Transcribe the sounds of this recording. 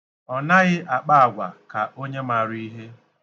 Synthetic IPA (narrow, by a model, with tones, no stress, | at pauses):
ɔ˨na˦ɣɪ˦ʔa˨k͡pa˦a˨ɡʷa̰˨ka˨ʔo˦ɲe˦ma˨ɾi˦ɦe˦